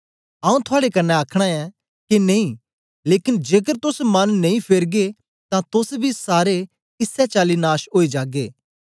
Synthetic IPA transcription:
ɐ̃ːũt̪ʰʊaːɽekɐnːɛaːkʰɽ̃aɛ̃ | kineĩ | leːkɪnd͡ʒeːk̬əɾt̪ʊsmɐnːɐ̃ĩpʰeɾɡe | t̪ãt̪ʊsbʱisaːɾe | ɪsɛt͡ʃaːlinaːʃɦoːid͡ʒaːɡeː

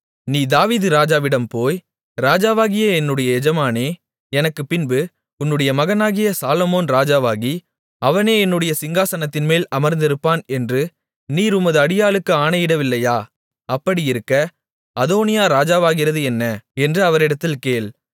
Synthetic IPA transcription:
niːd̪aːʋiːðɯɾaːd͡ʒaːʋɪɽɐmpoːj | ɾaːd͡ʒaːʋaːɣɪjɐɛnːɯɽɐjɐɛd͡ʒɐmaːneː | ɛnɐkːɯpɪnbɯ | ʊnːɯɽɐjɐmɐɣɐnaːɣɪjɐsaːlɔmoːnɾaːd͡ʒaːʋaːɣi | ɐʋɐneːɛnːɯɽɐjɐsɪŋɡaːsɐnɐt̪ːɪnmeːlɐmɐɾnd̪ɪɾɯpːaːnɛndrɯ | niːɾʊmɐðɯɐɽɪjaːlɯkːɯaːnɐjɪɽɐʋɪlːɐjaː | ɐpːɐɽiɪɾɯkːɐ | ɐðoːnɪjaːɾaːd͡ʒaːʋaːɣɪɾɐðɯɛnːɐɛndrɯɐʋɐɾɪɽɐt̪ːɪlkeːɭ

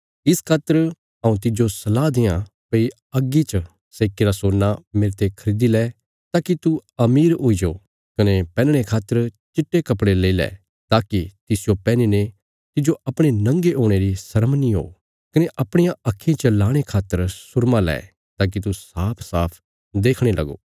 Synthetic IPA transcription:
ɪskʰaːt̪ːəɾ | ɐũt̪ɪd͡ʒosɐlaːd̪ɪjã | pɐi | ɐɡːit͡ʃə | seːkeɾasoːnːamɪɾt̪ekʰɐɾiːd̪ilɛː | t̪aːkit̪uɐmiːɾoːid͡ʒo | kɐnepɛ̃ːnɽ̃ekʰaːt̪ːəɾt͡ʃɪʈːekɐpɽeleːilɛ̰ː | t̪aːkit̪ɪsɪjopɛːnine | t̪ɪd͡ʒoɐpɽ̃enɐ̃ŋɡeʔoːɽ̃eɾisɐɾəmnĩɦo̰ː | kɐneʔɐpɽ̃ɪjãɐkʰːĩt͡ʃɐlaːɽ̃ekʰaːt̪ːəɾsʊɾmãlɛ̰ː | t̪aːk̬it̪usaːpʰsaːpʰ | d̪eːkʰɽ̃elɐ̰ɡo̰ː

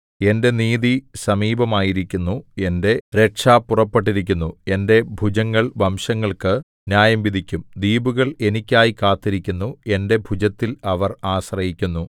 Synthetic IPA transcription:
e̞nde̞niːðisɐmiːbɐmaːjiɾikʲːunːue̞nde̞ɾe̞kʂaːpːurɐpːe̞ʈ̬ːiɾik̬ʲːunːue̞nde̞bʱud͡ʑɐŋːɐɭʋɐmʂɐŋːɐɭkɨ | njaːjɐmʋid̪ʱikʲːumd̪iːbuɣɐɭe̞nikʲːaːjikaːt̪ːiɾikʲːunːue̞nde̞bʱud͡ʑɐt̪ːilɐʋɐraːɕrɐjikʲːunːu

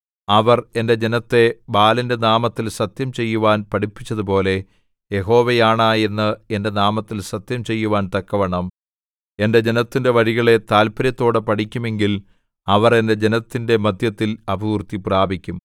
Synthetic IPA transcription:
ɐʋɐre̞nde̞d͡ʑe̞nɐt̪ːe̞baːlɐnde̞naːmɐt̪ːilsɐt̪jɐmt͡ɕe̞jːuʋaːnpɐʈipːit͡ɕːɐðupo̞ːle̞ | je̞ɦo̞ːʋejaːɳaːjenːɐe̞nde̞naːmɐt̪ːilsɐt̪jɐmt͡ɕe̞jːuʋaːnt̪ɐkːɐʋɐɳɐm | e̞nde̞d͡ʑe̞nɐt̪ːinde̞ʋɐɾiɣɐɭe̞t̪aːlpɐɾjɐt̪ːo̞ːɽɨpɐʈikʲːume̞ŋɡil | ɐʋɐre̞nde̞d͡ʑe̞nɐt̪ːinde̞mɐd̪ʱjɐt̪ːilɐbʱɐurt̪ipraːbʱikʲːum

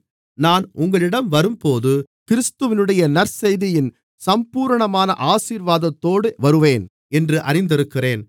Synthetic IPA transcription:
naːnʊŋɡɐɭɪɽɐmʋɐɾɯmpoːðɯkɪɾɪst̪ɯʋɪnɯɽɐjɐnɐɾsɛjðɪjɪn | sɐmpuːɾɐɳɐmaːnɐ̰ʔaːsiːɾʋaːðɐt̪ːoːɽɯʋɐɾɯʋeːn | ɛndrɯʔɐɾɪnd̪ɪɾɯkːɪreːn

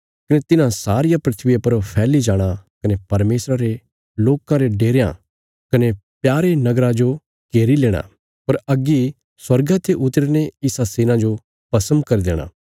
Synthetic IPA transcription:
kɐnet̪ɪnãsaːɾɪjapɾɐt̪ʰʋijapɐɾpʰɛːlid͡ʒaːɽ̃akɐnepɐɾmeːsɾaɾe | loːkãɾeɖeːɾejã̰ | kɐnepjaːɾenɐɡɾãd͡ʒo | keːɾileːɽ̃a̰ | pɐɾɐɡi | swɐɾɡat̪ʰeʔʊt̪ɾneɪsaseːnãd͡ʒo | pɐsə̃nd̪̚kɐɾid̪ḛːɽ̃ã̰ː

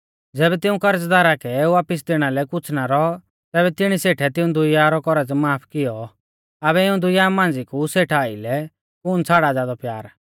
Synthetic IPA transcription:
d͡zɛːbɛt̪ɪũkɐɾət͡sd̪aːɾakɛeːuaːpɪs̬d̪eːɽ̃alɛkʊt͡sʰnaɾɔ | t̪ɛːbɛt̪ɪɽ̃iseːʈʰɛt̪ɪũd̪ʊjaːɾɔkɔɾəd͡zmaːpʰkɪjɔ | ɐbɛɪũd̪ʊjaːmãːnd͡zikuseːʈʰaːilɛ | kʊːnt͡sʰaːɽad͡zaːd̪ɔpjaːɾ

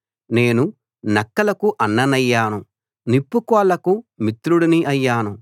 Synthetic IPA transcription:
ne̞ːnu | nɐkːɐlɐkuʔɐnːɐnɐjːaːnu | nipːukɔːlɐkumit̪ɾuɽiniʔɐjːaːnu

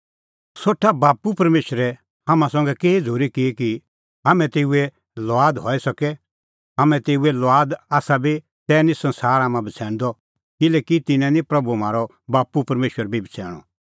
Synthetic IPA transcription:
soːʈʰːabaːpupɐɾmeːʃəɾɛ | ɦamãsɔ̃ŋɡɛkeːid͡zʱoːɾikɪki | ɦaːmɛ̃t̪eːuɛ | lɔaːd̪ɦɔisɐkɛ | ɦaːmɛ̃t̪eːuɛlɔaːd̪aːsabʱi | t̪ɛːnĩsɐ̃nsaːɾaːmãbʱɐt͡sʰɛ̃ːɽ̃d̪ɔ | kɪlɛːkit̪ɪnɛ̃nĩpɾɐbumaːɾɔ | baːpupɐɾmeːʃəɾbʱibʱit͡sʰɛ̰ːɽ̃ɔ̰

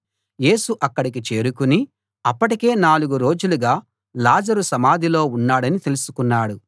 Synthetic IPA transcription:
je̞ːsuʔɐkːɐɽik̬it͡ʃe̞ːɾukuni | ɐpːɐʈike̞ːnaːluɡuɾo̞ːd͡ʒuluɡaː | laːd͡ʒɐɾusɐmaːd̪ʱilo̞ːunːaːɽɐnit̪e̞lusu̥kunːaːɽu

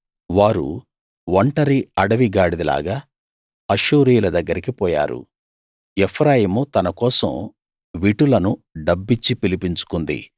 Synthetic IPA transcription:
ʋaːɾṵ | ʋɐɳʈɐɾiɐɽɐʋiɡaːɽid̪ila̰ːɡaː | ɐʃuːɾiːjulɐd̪ɐɡːɐɾikipɔːja̰ːɾṵ | epʰɾaːjimut̪ɐnɐkɔːsɐ̰m | ʋiʈulɐnuɖɐbːit͡ʃːipilipiɲt͡ʃu̥kund̪ḭ

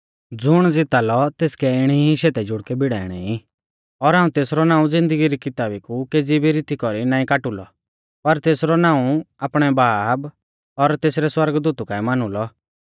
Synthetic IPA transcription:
d͡zʊɽ̃d͡zɪt̪alɔt̪eːskɛɪɽ̃iɦiʃeːt̪ɛd͡ʒʊɽkɛbɪɽaːɪɽ̃ɛ̰i | ɔɾɦaːũt̪eːsɾɔnãːũd͡zɪ̃nd̪əɡiɾikɪt̪aːbikukeːd͡zibʱiɾɪt̪ikɔɾinãːĩkaːʈʊlɔ | pɐɾt̪eːsɾɔnaːũaːpɽ̃ɛbaːb | ɔɾt̪eːsɾɛswɐɾɡd̪uːt̪ukãːimaːnulɔ

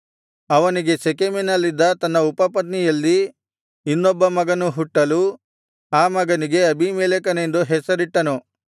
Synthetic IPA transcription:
ɐʋɐniɡe̞t͡ʃekeminɐlːid̪ːɐt̪ɐnːɐupɐpɐt̪̬nijɐlːi | inːɔbːɐmɐɡɐnuɦuʈːɐlu | aːmɐɡɐniɡe̞ɐbimeːlek̬ɐne̞nd̪uɦɛsɐɾiʈːɐnu

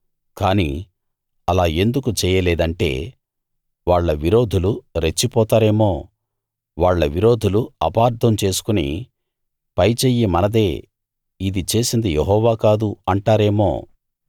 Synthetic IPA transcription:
kaːnḭː | ɐlaːe̞nd̪ukut͡ʃɛːjɐleːd̪ɐɳʈe̞̰ː | ʋaːɭːɐʋiɾo̞ːd̪ʱuluɾet͡ʃːipɔːt̪aːɾe̞ːmo̞ː | ʋaːɭːɐʋiɾo̞ːd̪ʱuluɐpaːɾd̪ʱɐmt͡ʃe̞ːsu̥kunḭ | pɐjt͡ʃeːjːimɐnɐd̪e̞ː | id̪it͡ʃe̞ːsind̪ijeɦɔːʋaːkaːd̪uɐɳʈaːɾe̞ːmo̞̰ː

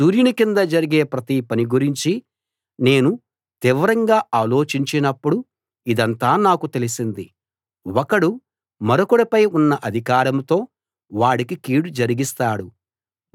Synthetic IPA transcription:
suːɾjunikind̪ɐd͡ʒɐɾiɡe̞ːpɾɐt̪ipɐniɡuɾiɲt͡ʃi | ne̞ːnu | t̪iʋɐɾɐŋɡaːaːlo̞ːt͡ʃiɲt͡ʃinɐpːuɽu | id̪ɐnt̪aːnaːkut̪e̞lisind̪i | wɔkɐɽu | mɐɾokuɽipɐjunːɐʔɐd̪ʱikaːɾɐmt̪o̞ː | ʋaːɽikikiːɽud͡ʒɐɾiɡist̪aːɽu

